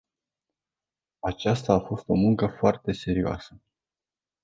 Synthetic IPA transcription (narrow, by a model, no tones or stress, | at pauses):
at͡ʃast̪aːfo̞st̪o̞muŋkəfoart̪e̞se̞ɾioa̰sə